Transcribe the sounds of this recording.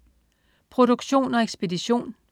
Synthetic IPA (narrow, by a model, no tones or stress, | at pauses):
pʰʁo̝ɾ̥oɡ̥ɕo̝̰ːnɒ̽eɡ̥sb̥e̝diɕo̝̰ːn